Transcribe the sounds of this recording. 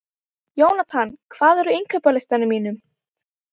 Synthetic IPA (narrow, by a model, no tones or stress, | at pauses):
joːwnat̪ʰankʰvaːðɛɾʏeŋkʰœpalɪst̪anɪmiːnʏm